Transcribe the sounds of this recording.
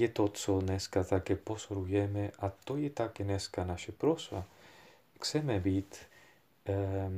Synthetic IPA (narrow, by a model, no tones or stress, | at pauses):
jɛt̪ot͡sodnɛskat̪akɛpozoɾujɛmɛʔat̪ojɛt̪akɛnɛskanaʃɛpɾosva | kt͡sɛmɛbiːt̪